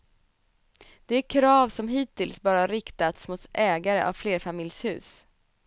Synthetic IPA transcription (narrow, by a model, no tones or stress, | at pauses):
d̪̥ɛæɾkʰɾɑːvsɔmɦiːt̪ɪlsbɑːɾahaɾɪkt̪at̪smuːt̪ʔɛːɡaɾəʔa̰vfleːɾfamɪljshʉ̟ːs